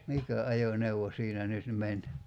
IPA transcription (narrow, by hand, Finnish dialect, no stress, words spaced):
mikæ ɑjoneuwo siːnæ nyt men